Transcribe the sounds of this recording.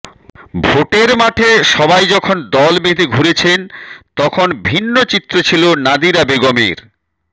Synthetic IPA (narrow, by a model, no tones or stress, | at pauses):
bʱoʈeɾmaʈʰeʃɔbajd͡ʑɔkʰond̪ɔlmed̪ʱeɡʱuɾet͡ɕʰent̪ɔkʰonbʱinːot͡ɕit̪ːɾot͡ɕʰilonad̪ʱiɾabeɡomḛɾ